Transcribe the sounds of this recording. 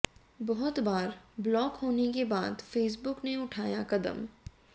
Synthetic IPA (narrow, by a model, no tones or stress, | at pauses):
bɔɦʊt̪baːɾblɔːkɦoːnekebaːd̪feːs̬bʊkneʊʈʰaːjakɐd̪ə̰m